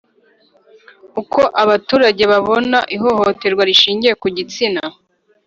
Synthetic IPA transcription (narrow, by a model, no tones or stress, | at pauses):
uko̞ʔaβatuːɾaɟe̞βaβo̞naʔiɦo̞hote̞ɾɡwaɾiʃiːɲɟije̞kuɟit͡sina